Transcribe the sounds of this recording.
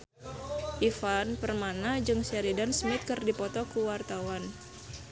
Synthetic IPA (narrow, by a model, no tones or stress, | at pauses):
ʔifanpərmanad͡ʒɨŋsɛɾidansmɪt̪̚kɨrdipɔt̪ɔkuwart̪awan